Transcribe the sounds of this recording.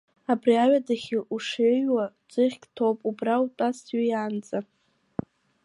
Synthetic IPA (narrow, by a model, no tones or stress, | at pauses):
abriaɥadaχʲiʔuʂeɥwad͡zʷʼɨχʲkʼtʰopʼubrautʼastʰɥijaːnd͡zʼa